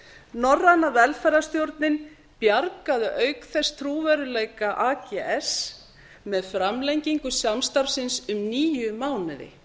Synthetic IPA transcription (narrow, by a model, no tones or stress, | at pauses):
nɔrːanavɛlfɛɾast̪jowɾt̪nɪn | pjaɾkaðʏʔœːɥkθɛst̪ʰɾuːvɛɾʏlejkaʔaːcɛɛs | mɛðfɾamlejɲciŋkʏsjamst̪aɾvsɪnsʏmniːjʏmaːwnɪðɪ̰